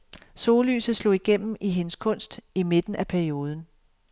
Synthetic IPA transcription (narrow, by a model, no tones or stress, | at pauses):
so̝ːly̰ːsð̩ˠslo̝̰iɡ̥en̰m̩iɦe̝nəskʰɔ̽n̰sd̥ime̝d̥n̩æpʰæɐio̝ːð̞ˠn̩